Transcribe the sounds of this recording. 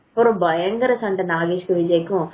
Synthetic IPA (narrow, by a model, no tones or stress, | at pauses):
ɔɾʊ̃bɐjɐŋɡɐɾɐsɐɳʈɐnaːɣiːʃkɯʋɪd͡ʒɐjkːʊ̃